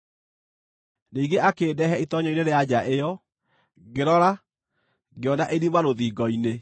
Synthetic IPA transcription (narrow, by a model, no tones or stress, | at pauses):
niːŋɡeʔakeːdɛɦɛitɔɲɔineɾead͡ʑaʔejɔ | ɡeɾɔɾa | ɡeɔnaʔeɾimaɾoðiːɡɔine